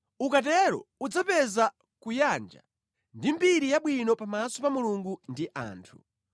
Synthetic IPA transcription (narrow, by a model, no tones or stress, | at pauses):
ukat̬ɛɾɔ̰ud͡zapɛza | kujand͡ʒa̰ | ndimbiɾijaɓwinɔpamasɔpamuluŋɡundiʔa̰ːntʰu